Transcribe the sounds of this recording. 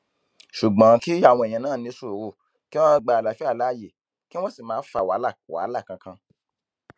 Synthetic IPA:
ʃu˨ɡ͡bã˨˦ki˦ja˦˨w̃ɔ̃˧e˨j̃ã˧nãː˦˨nĩ˧˦su˦˨o˨ɾo˧˨ | ki˦w̃ɔ̃˦˧ɡ͡ba˧a˨la˨fi˦a˦˨la˨˦˨je˨ | ki˦w̃ɔ̃˦si˦˨mãː˦fa˧˨wa˨˦la˦˨wa̰˨˦la˦˨kã˧kã˧

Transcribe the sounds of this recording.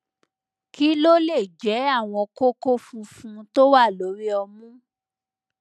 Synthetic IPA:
ki˦lo˦le˦˨d͡ʒɛ˨˦a˦˨w̃ɔ̃˧ko˦ko˦fũ˧fũ˧to˦wa˦˨lo˨˦ɾi˦ɔ˧mũ˦

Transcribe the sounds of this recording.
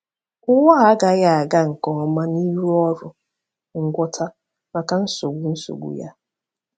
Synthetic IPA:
ʊ˦ŋɔ˦a˦ɡa˨ja˦a˨ɡa˦ŋ̩˨kɔ˨ɔ˦ma˦ni˦ɾu˦ɔ˦ɾʊ˨ | ŋ̩˨ɡʷɔ˦tʰa˦ | ma˨ka˨n̩˦so˨ɡʷu˨n̩˦so̰˨ɡʷṵ˨ja˦

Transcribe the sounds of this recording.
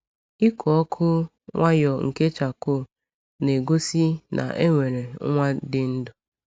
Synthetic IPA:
i˦kʷʰɔ˨ɔ˦kʰʊ˦ | ŋʷa˦jɔ˨ŋ̩˨ke˦t͡ʃa˨ko˦˨ | ne˨ɡo˦si˦nʔa̰˨ʔe˦ŋʷe˨ɾe˨˦ŋʷa˦dɪ˨n̩˦dʊ˨

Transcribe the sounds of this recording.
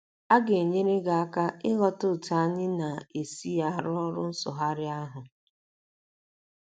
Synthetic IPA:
a˦ɡe˨ɲe˦ɾe˦ɡa˨a˦ka˦ɪ˦ɣɔ˦tʊ˦˨ta˨a˦ɲɪ˦na˨e˨si˦ja˦˨ɾɔ˦ɾʊ˦n̩˦sʊ˨ɦa˦ɾɪ˦a˦ɦʊ˨

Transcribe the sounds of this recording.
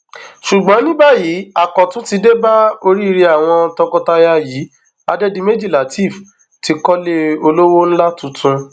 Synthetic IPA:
ʃu˨ɡ͡bɔ̃˨˦nĩ˦ba˦jiː˨˦a˨kɔ˨tũ˨˦ti˧de˦ba˦o˧ɾi˦˧ɾi˧a˦˨w̃ɔ̃˧tɔ̃˧kɔ̃˧ta˧ja˧jiː˨˦ | a̰˧dɛ˦dĩ˧me˦d͡ʒi˦˨la˨ti˦˨f | ti˧kɔ˦le˦o˧lo˦wo˦n̩˦la˦tũ˨˦tũ˧

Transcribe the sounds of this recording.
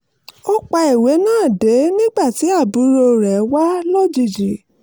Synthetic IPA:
ɔ˧k͡pa˧i˨we˨˦nãː˦˨de˨˦nĩ˦ɡ͡ba˦˨ti˨˦a˦˨bu˨˦ɾo˧ɾɛ˨˦wa˦lɔ˦d͡ʒi˧˨d͡ʒi˨

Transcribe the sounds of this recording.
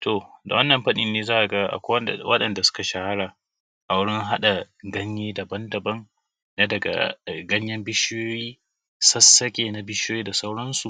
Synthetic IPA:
tʰo˨da̰˨wɐ˦nːɐ˨mɸɐ˦ɗɪ˨nːeː˦zaː˦ʔa˨ɡa˦ʔa̰˨kʷːwɐ˦˨wɐ˦ɗɐ˨nda˨sʊ̥˦ka˨ʃa˦ha˦ɽaː˨ | ʔa˨wʊ˦ɽɪ˦ŋɦa˦ɗa˨ | ɡɐ˦ɲjeː˦da˨bɐ˦ndɐ˨bɐ˦ŋ | na˦dɐ˨ɡa̰˨ɡɐ˦ɲjɐ˦mbɪ˦ʃɪ˦joː˦jiː˦ | sɐ˦sːɐ˦kʲʼeː˨na˨bɪ˦ʃjoː˦jiː˦da˨sa˦wɽɐ˦nsu˨ʔ

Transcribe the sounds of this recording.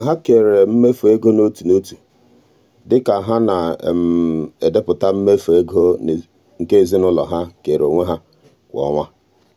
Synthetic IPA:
ɦa˦ke˨ɾe˨m̩˦me˦fo˨e˦ɡo˦no˦tu˨no˦tu̥˨ | dɪ˦ka˨ɦa˦na˨m̩˨e˨de˦pʊ˨ta˦m̩˦me˦fo˨e˦ɡo˦˨ | ŋ̩˨ke˦e˨zi˦nʊ˦lɔ˨ɦa˦ke˨ɾo˨ŋʷe˦ɦa˦ | kʷɔ̰˨˦ŋʷa˦

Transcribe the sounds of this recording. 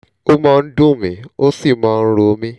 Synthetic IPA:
o˦mɔ̃˧n̩˦dũ˦˨mḭ̃˨˦o˦si˦˨mãː˦˧n̩˦ɾo˧˦mĩ˦

